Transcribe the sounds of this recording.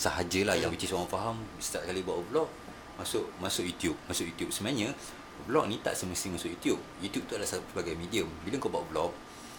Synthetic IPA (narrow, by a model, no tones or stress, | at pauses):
saɦad͡ʒəlahjaŋwit͡ʃɪsoɣaŋfaɦamst̪aʔ̚kalibwaʔblɔk̚ | masʊʔmasʊʔjut̪jup̚masʊʔjut̪jup̚səmãɲə̃ | blɔk̚nĩt̪a̰ʔsəməsɪŋmasʊʔjut̪jup̚jut̪jup̚t̪uadlassəbaɡajmidiəmbiləŋkɔʔbwaʔblɔk̚